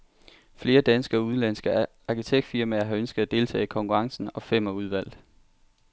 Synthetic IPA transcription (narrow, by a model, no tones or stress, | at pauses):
fle̝ːɐd̥ænsɡ̥əɒ̽uð̞ˠnlænsɡ̥ə | ɑ̈kʰit͡sʰeɡ̥̚d̥fiɐ̰mæːɐɦɑ̈ønsɡ̥ð̩ˠæd̥e̝ːlt͡sʰɛ̰ːkʰɒ̽ŋkʰuʁɑ̈ŋsn̩ɒ̽fem̰ɐuð̞ˠʋæl̰d̥̩ˠ